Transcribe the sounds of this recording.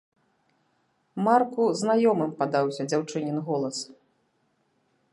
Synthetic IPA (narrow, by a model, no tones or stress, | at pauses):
markuznajɔmɨmpad̪awsʲɐd͡zʲawt͡ʂɨnʲinɣɔlˠɐs